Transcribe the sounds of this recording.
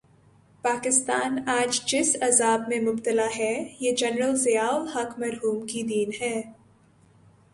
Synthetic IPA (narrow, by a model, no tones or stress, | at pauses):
paːkɪst̪aːnaːd͡ʒd͡ʒɪsɐzaːb̚mẽmʊb̚t̪əlaɦɛːjeːd͡ʒɛnɾəlzɪjaːɔhɐkmɐɾɦuːmkid̪iːnɦɛː